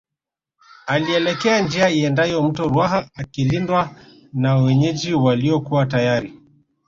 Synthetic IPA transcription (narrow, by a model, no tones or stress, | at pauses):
aliɛlɛkɛand͡ʒiaiɛndajɔm̩tɔɾwaɦaːkilindwa | nawɛɲɛd͡ʒiwaliɔkuatajaɾi